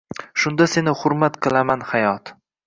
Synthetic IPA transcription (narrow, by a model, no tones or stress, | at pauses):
ʃʊnd̪ase̞nɪhʊɾmat̪qʰɨlˠamanhajɒt̪